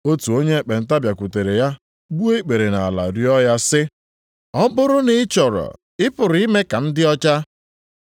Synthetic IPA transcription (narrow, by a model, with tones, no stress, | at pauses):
o˦tu˨o˦ɲe˦e˨k͡pe˨n̩˦ta˦bja˨kʷu˨te˨ɾe˨ja˦ | bu˦e˦k͡pe˨ɾe˨na˨a˨la̰˨ɾi˦ɔ˦ja˦sɪ˦ | ɔ˦bʊ˦ɾʊ˦nɪ˨ɪ˦t͡ʃɔ˨ɾɔ̰˨ | ɪ˦pʊ˨ɾʊ˨˦i˦me˦ka˨n̩˦dɪ˦ɔ˦t͡ʃa˦